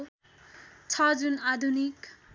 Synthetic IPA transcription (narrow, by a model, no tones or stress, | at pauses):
t͡sʰʌd͡zunad̪ʱunik